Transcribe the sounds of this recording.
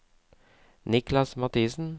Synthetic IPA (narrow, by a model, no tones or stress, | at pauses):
nɪklɑsmɑt̪ʰiːsn̩